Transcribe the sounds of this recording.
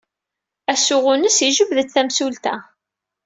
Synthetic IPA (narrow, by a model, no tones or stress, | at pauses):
æsʊʁʊnəsiʒəbðət͡sθæmsult̪æ